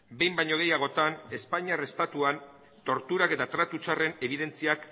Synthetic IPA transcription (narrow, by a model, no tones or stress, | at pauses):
be̞jmbaɲo̞ɣ̞e̞jaɣ̞o̞t̪ane̞spaɲiarest̪at̪uan | t̪o̞ɾt̪uɾake̞t̪at̪ɾat̪ut͡ʃare̞ne̞β̞iðe̞nt͡siak